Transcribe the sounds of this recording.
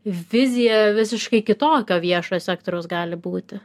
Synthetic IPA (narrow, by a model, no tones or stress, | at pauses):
ʋʲɪzʲɪjɛʋʲɪsʲɪʃkɐɪkʲɪt̪oːkʲoːʋʲiɛʃosʲæːk̚t̪oːɾʲɛʊsɡɑːlʲɪbuːt̪ʲɪ